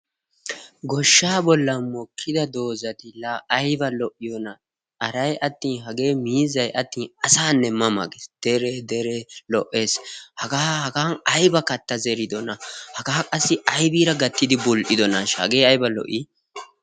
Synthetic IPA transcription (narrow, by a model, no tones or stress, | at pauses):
ɡɔʃːaːbɔlːɐnmɔkʰːɪd̪ɐd̪o̞ːzɐt̪ɪlaʔɐjbɐlɔʔɪjonɐ | ʔɐɾɐjʔɐt̪ːiːnɦɐɡe̞ːmiːzɐjʔɐt̪ːiːnɐsaːnːɛmːɐmɐ̰ɡeːsd̪̥ɛɾɛd̪ɛɾelɔʔːe̞ːshɐɡaːhɐɡaːnɐjbɐkɐt̪ːɐzɛɾɪd̪ɔnɐhɐɡaːkʼɐsːɪʔɐjbiːɾɐɡɐt̪ːɪd̪ɪbʊlʔɪd̪ɔnaʃhɐ̰ɡe̞ːɐjbɐlɔ̰ʔi